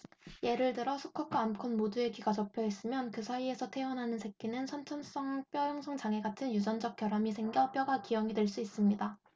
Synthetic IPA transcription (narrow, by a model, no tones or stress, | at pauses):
je̞ɾɯɭtɯɾʌsʰuk͈ʰʌk͈ʰwaːmkʰɯnmodue̞ɡiɡat͡ɕʌpʰjʌɦes͈ɯmjʌnkɯsʰaie̞sʰʌtʰe̞ʌnɦanɯnsʰe̞k̚k͈inɯnsʰʌnt͡ɕʰʌns͈ʌŋp͈jʌjʌŋsʰʌŋd͡ʑaŋe̞ɡatʰɯnjud͡ʑʌnd͡ʑʌk̚k͈jʌɾamisʰeŋɡjʌp͈jʌɡakijʌŋidwe̞ɭs͈uis͈ɯmɲida